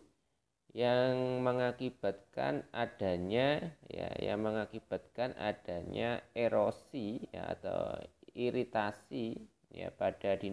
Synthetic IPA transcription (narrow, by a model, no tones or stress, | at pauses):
jaŋməŋakib̥a̤t̪̚ka̰nad̥a̤ɲaja̰ja̰ŋməŋakib̥a̤t̪̚kanʔa̰d̥a̤ɲaeɾosija̰a̰t̪a̰wiɾit̪asi | ja̰pad̥adi